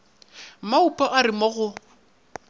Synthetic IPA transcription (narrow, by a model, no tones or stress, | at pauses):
maupʼaʔarɪmɔɣʊ